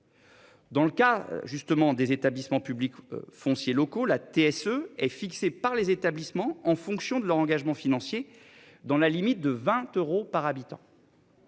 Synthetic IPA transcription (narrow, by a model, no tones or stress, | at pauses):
d̪ɑ̃ləkaʒyst̪əmɑ̃d̪ezet̪ablismɑ̃pyblikfɔ̃sjelɔkolat̪eɛsøɛfiksepaʁlezet̪ablismɑ̃ɑ̃fɔ̃ksjɔ̃d̪əlœʁɑ̃ɡaʒmɑ̃finɑ̃sje | d̪ɑ̃lalimit̪̚d̪əvɛ̃t̪øʁopaʁabit̪ɑ̰̃